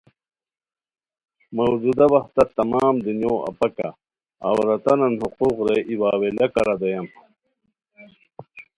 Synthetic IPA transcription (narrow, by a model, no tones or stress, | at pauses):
mɐwd͡ʑud̪ɐbɐht̪ɐt̪ɐmaːmd̪unjoːɐ̰pɐka̰ː | wɾɐt̪ɐnɐnhuquqɾeʔiwaːwelɐkɐɾɐd̪ɐjɐm